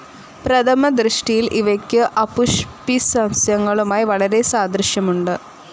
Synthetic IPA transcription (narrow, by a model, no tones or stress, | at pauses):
prɐt̪ʰɐmɐd̪ɾɨʂʈijilʔiʋɐkʲːɨʔɐpuʂpisɐmsjɐŋːɐɭumaːjiʋɐɭɐɾe̞saːd̪ɾɨʂjɐmuɳɖɨ